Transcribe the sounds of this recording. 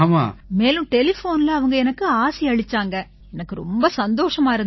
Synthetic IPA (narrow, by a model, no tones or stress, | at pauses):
ma̰ːmeːlʊ̃ʈɛlɪfoːnɪlɐɐʋɐŋɡɐɛnɐkːɯaːsiɐɻɪt͡ʃːaːŋɡɐ | ɛnɐkːɯɾɔ̰mbɐsɐnd̪oːʂɐmaːɪɾɯn